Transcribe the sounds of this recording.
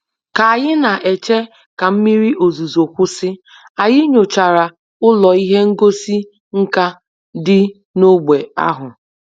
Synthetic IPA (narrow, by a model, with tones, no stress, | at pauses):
ka˨a˨jɪ˦na˨ʔe˨t͡ʃe˦ | ka˨m̩˦mi˦ɾi˦ʔo˨zu˨zo˨kʷʊ˦sɪ˦ | a˨jɪ˦ɲo˨t͡ʃa˨ɾa˨ | ʊ˦lɔ˨i˦ɦe˦ŋ̩˦ɡo˦si˦ | ŋ̩˦ka˦ | dɪ˦ | no˦ɡ͡be˨a̰˦ɦʊ˨